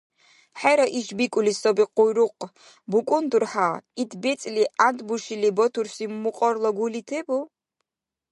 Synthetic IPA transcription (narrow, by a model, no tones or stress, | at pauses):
ħɛɾaʔiʒbikʷʼulisɔbiqʼʊjɾʊqʼ | bukʼʊnd̪urħaːit̪ʰbet͡sʼliʔand̪buʃilibɔt̪ʰursimːuqʼɔrlɔɡulitʰebu